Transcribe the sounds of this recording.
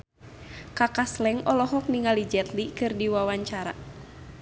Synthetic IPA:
kakaslɛŋɔlɔɦɔk̚niŋalid͡ʒɛt̪likɨrdiwawaɲt͡ʃaɾa̰

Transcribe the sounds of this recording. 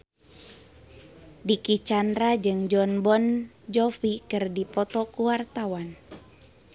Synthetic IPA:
dikit͡ʃandɾad͡ʒɨŋd͡ʒɔnbɔn | d͡ʒɔfikɨrdipɔt̪ɔkuwart̪awan

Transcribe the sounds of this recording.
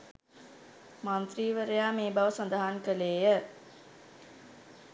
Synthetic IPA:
mant̪riːʋəɾejaːmeːbaʋəsand̪əɦaŋkəleːjə

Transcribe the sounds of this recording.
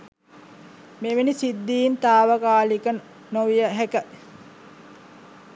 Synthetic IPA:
meʋinisid̪ːiːnt̪aːʋəkaːlikən | noʋijəɦækə

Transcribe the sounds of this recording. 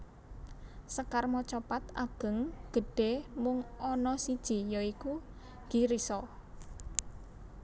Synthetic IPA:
səkarmɔt͡ʃɔpat̪aɡ̥ə̤ŋɡ̥ə̤ɖ̥e̤mʊŋɔnɔsid̥ʒ̥i̤jɔiku | ɡ̥iɾisɔ

